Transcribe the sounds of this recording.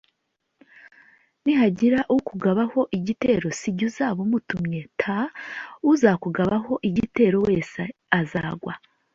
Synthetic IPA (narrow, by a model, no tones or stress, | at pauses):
niɦaɟiɾaʔukuɡaβaho̞ʔiɟite̞ːɾo̞siɟuzaːβomutumɲe̞tʰauzakuɡaβaɦo̞ʔiɟite̞ːɾo̞we̞ːseazaːɡwa